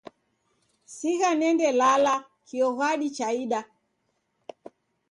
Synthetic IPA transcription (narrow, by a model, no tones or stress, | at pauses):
siɣanɛndɛlala | kiɔɣaɗit͡ʃaiɗa